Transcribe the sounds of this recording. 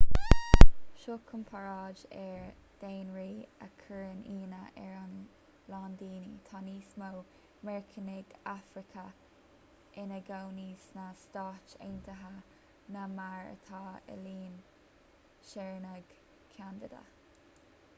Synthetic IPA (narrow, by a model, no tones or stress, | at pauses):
ʃoːkʰʊmpʰaɹɑːd͡ʒɛɹ | d̪̥eːnɹiːə̰kʰəɹəniːnəʔɛɹan | land̪iːnit̪ʰɑːniːsmow | mɛɹkʰənɪɡafɾɪkʰə | ʔɪnəɡawniːsnast̪ɑːt͡ʃḛːnt̪ʰəɦa | namaɹə̰t̪ʰɑːə̰liːn | ʃɛɹnəɡ̥ | kʰand̪ɪd̪a̰